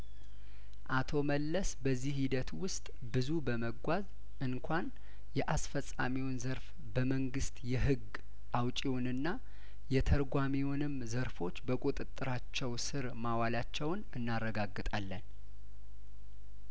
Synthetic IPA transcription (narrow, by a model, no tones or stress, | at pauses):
ʔat̪ʰo̞məlːəsbəzːihhid̪ət̪wʊst̪ʼ | bɨzubəməɡʷaz | ɨnkʷʰan | jɛʔasfəsʼa̰miwʊnzəɾf | bəməŋɡɨst̪jɛɦɨɡ | ʔawt͡ʃʼiwʊnɨnːa | jɛt̪ʰəɾɡʷamiwʊnɨmzəɾfo̞t͡ʃːbəkʼut̪ʼɨt̪ʼːɨɾat͡ʃːɛwsɨɾmawalat͡ʃːɛwnɨnːarːəɡaɡːɨt̪ʼalːən